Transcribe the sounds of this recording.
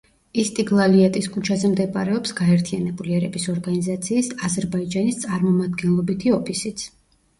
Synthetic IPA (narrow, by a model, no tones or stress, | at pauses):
ist̪ʼiɡlˠaliat̪ʼiskʰʼut͡ʃʰazɛmd̪ɛbʼaɾɛɔpsɡaɛɾt̪ʰianɛbuliɛɾɛbisɔɾɡanizat̪sʰiːsazɛɾbaid͡ʒanist̪sʼaɾmɔmad̪ɡɛnlˠɔbit̪ʰiɔpʰisit̪sʰ